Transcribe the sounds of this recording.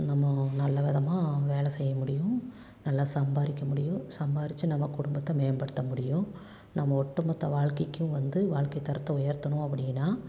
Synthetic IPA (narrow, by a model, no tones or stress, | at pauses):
nɐmːɐnɐlːɐʋɪðɐmaːʋeːlɐsɛjːɐmʊɽɪjʊ̃ | nɐlːaːsɐmbaːɾɪkʲːɐmʊɽɪjʊ̃sɐmbaːɾɪt͡ʃːɯnɐmːɐkʊɽʊmbɐt̪ːɐmeːnbɐɽɯt̪ːɐmʊɽɪjʊ̃ | nɐmːɐɔʈːɯmɐt̪ːɐʋaːɭkɐkːʊ̃ʋɐnd̪ɯʋaːɭkɐɪt̪ːɐɾɐt̪ːɐʊjɐɾt̪ːɐnʊ̃ɐpːɐɽɪjnːaː